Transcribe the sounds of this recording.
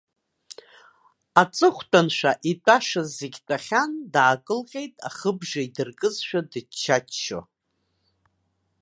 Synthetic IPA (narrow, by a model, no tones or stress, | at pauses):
at͡sʼɨχʷtʰʼanʃʷᶣaʔitʷʼaʂazːeɡʲtʼaχʲandʕakʼɨlqʲʼe̞jtʼaχəbʐaidɨrkʼɨzʃᶣadɨt͡ʃʰːat͡ʃʃo̰